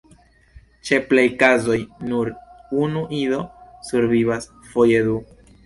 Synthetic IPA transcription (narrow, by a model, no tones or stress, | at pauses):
t͡ʃe̞plejkazo̞jnuɾunuʔido̞suɾvivas | fojed̪u